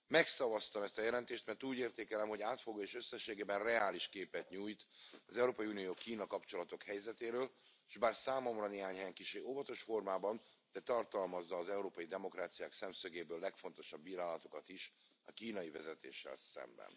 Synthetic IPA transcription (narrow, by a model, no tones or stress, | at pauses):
mɛksɒvɒst̪ɒmɛst̪ɒjɛlɛnt̪eːʃt̪mɛrt̪uːɟeːrt̪eːkɛlɛmho̞ɟaːt̪foɡoːeːʃø̞sːɛʃːeːɡeːbɛnrɛaːliʃkeːpɛt̪ɲuːjt̪ɒzɛuɾoːpɒjunijoːkiːnɒkɒpt͡ʃo̞lɒt̪o̞khɛjzɛt̪eːɾøːl | ʒbaːrsaːmo̞mrɒneːɦaːɲhɛjɛŋkiʃeːovɒt̪o̞ʃfo̞rmaːbɒnd̪̥ɛt̪ɒrt̪ɒlmɒzːɒːzɛuɾoːpɒjid̪ɛmo̞kraːt̪sijaːksɛmsøɡeːbøːlːɛkfo̞nt̪o̞ʃɒbːiːɾaːlɒt̪o̞kɒt̪iʃ | ɒ̰kiːnɒjivɛzɛt̪ḛːʃːɛ̰lsɛ̰mbɛ̰n